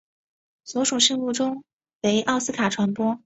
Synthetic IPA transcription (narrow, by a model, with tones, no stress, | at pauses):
swɔ˧˥ʈ͡ʂu˨˩ŋʂi˥˧ŋmu˥˩ʈ͡ʂʊ˥ŋ | we˧˥ɪʔɑ˥˩ʊsɹ̩˥kʰa˨˩ʈ͡ʂʰwa˧˥npwɔ˥